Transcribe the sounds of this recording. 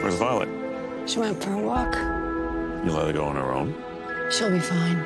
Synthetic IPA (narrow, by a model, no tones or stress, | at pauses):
ə̰zvaɪlˠə̰t̚ | ʃiwɛ̃nfəwɔk | jɨlatɨɡoʊə̃nə̰˞õ̰ʊ̃n | ʃəbifãɪ̃n